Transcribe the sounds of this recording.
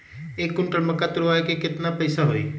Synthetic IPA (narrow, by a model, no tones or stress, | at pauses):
eːkːʊɳʈəɾməkːat̪ʊɾʊaːekekɪt̪napɐɪsaɦoːḭ